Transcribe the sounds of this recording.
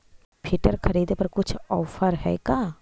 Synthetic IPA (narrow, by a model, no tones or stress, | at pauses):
pʰiʈəɾkʰɐɾiːd̪epɐɾkʊt͡ʃʰɔːfʰəɾɦɛ̰ːkaː